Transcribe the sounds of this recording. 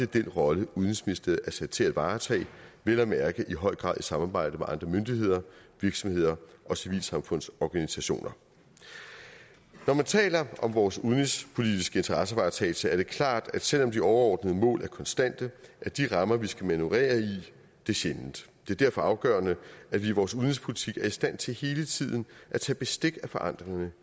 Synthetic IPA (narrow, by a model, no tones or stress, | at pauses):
d̥ed̥enʁɒ̽ləuðˠn̩isminisd̥eð̩ˠæɐsæd̥t͡sʰe̝æd̥ʋɑ̈ːt͡sʰɛ̰ːʋelɐmæɐɡ̥əʔiɦɒ̽ɪ̰ɡ̥ʁɑ̰̈ð̰ˠisɑ̈mɑ̈ːb̥ɑ̈ɪ̰d̥əmeʔɑ̈nd̥ʁɐmønd̥iɦe̝ð̞̰ˠɐʋiɐɡ̥sɒ̽mhe̝ð̞̰ˠɐʔɒ̽siʋḭːlsɑ̈mfɔ̽n̰sɒːɡ̥ænisæɕo̝̰ːnʔɐ | nɒmænt͡sʰɛ̰ːlɐʔɒ̽mʋɒːsuðˠn̩ispʰo̝lid̥isɡ̥əe̝nt͡sʰɐʁɑsəʋɑ̈ːt͡sʰɛ̰ːt͡sʰəæɐɾ̥e̝kʰlɑ̰̈ːd̥æd̥sel̰ɒ̽md̥iɒʊɐɒːd̥nəð̞̩ˠəmɔ̰̽ːlʔæɐkʰɒ̽nsd̥æn̰d̥əʔæɐd̥iʁɑ̈mɐʋisɡ̥æmænuʁɛ̰ːɐi | d̥e̝ɕenn̩d̥d̥e̝æɐdæɐ̰fɒ̽ɑ̈ʊɡ̥ɶ̰ɐnəædʋiʋɒːsuðˠn̩ispʰo̝lit͡sʰiɡ̥æɐisd̥æn̰t͡sʰe̝lhe̝ːlət͡sʰið̞̰ˠn̩ʔæt͡sʰɛ̰ːb̥e̝sd̥e̝ɡ̥æfɒ̽ʔɑ̈n̰d̥ʁeŋɐnə